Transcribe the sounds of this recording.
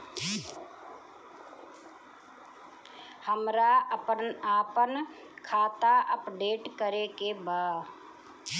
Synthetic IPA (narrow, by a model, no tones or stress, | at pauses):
həmɾaʔəpənaːpən | kʰaːt̪aʔəpɖeːʈkəɾekebaː